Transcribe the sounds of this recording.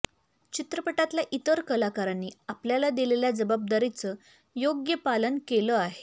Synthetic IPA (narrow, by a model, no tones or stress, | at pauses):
t͡ɕit̪ɾəpəʈat̪laʔit̪əɾkəlakaɾanːiːapljalad̪ileljad͡zəbab̚d̪aɾit͡sə | joɡjəpalənkeləaɦe